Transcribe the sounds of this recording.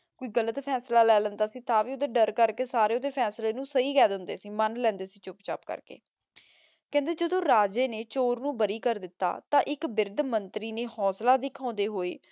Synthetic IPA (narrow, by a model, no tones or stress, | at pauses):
koːiːɡələt̪pʰɛːslaːlɛːlənd̪aːsĩːt̪ãːʋiːʊd̪eːɖəɾkəɾkeːsaːɾeːʊd̪eːpʰɛːsleːnũːsəiːkɛːd̪ɦʊnd̪eːsĩːmənlɛ̃ːnd̪eːsĩːt͡ʃʊpt͡ʃa̰pkə̰ɾkḛː | kɛ̃ːnd̪eːd͡ʒəd̪õːɾaːd͡ʒeːneːt͡ʃoːɾnũːbəɾiːkəɾd̪ɪt̪ːa̰ːt̪ãːʔɪkbɪɾd̪mənt̪ɾiːneːhɔːslaːd̪ɪkʰãːnd̪eːɦoːḛː